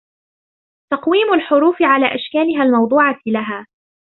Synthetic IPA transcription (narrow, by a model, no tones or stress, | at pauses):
t̪ɑqwiːmʊlħʊɾuːfɪʕalaːʔaʃkaːlɪɦalmɑwd̪ˤuːʕɑlaɦaː